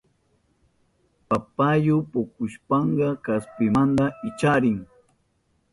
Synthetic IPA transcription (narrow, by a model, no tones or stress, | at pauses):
papajʊpokʊʃpɑɴɢɑkaspɪmand̪aɪt͡ʃaɾɪŋ